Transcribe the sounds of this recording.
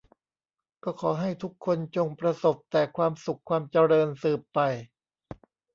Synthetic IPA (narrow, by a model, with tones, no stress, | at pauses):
kɔː˥˩kʰɔː˩˦ɦa˥˩jt̪ʰu˦˥kʰːo˧nt͡ɕo˧ŋpɾa˧so˨˩p̚t̪ɛː˨˩kʰwaː˧msu˨˩kʰːwaː˧mt͡ɕa˧ɾɤː˧nsɯː˨˩pːa˧j